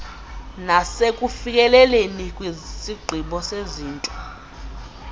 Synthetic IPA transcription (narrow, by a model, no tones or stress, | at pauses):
nasekʼufik̬ʼɛlɛlenikʼwisiɡ͡ǀʱiɓɔseziːntʼɔ̥